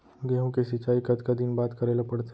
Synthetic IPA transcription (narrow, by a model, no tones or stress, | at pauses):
ɡɛːɦõkesɪt͡ʃaːikɐd̪kad̪inbaːt̪kəɾeːlapɐɽt̪e